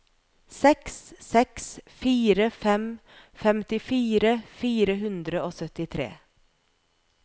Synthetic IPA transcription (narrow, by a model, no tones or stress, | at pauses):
sɛkssɛksfiːɾəfɛm | fɛmt̪ɪfiːɾəfiːɾəɦʉnd̪ɾəoːsœt̪ɪt̪ʰɾḛː